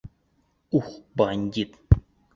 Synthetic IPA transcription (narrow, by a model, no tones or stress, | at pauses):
uxbanʲd̪ʲit̪